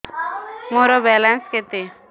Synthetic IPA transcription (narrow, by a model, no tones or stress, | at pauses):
moɾɔbɛlansket̪e